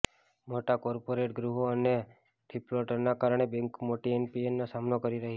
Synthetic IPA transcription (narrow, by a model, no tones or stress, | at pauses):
moʈakɔɾpoɾeʈɡɾuɦoəne | ʈʰɾiploʈəɾnakaɾəɳ̃ebɛ̃ŋkmoʈienpienːosamnokəɾiɾəɦie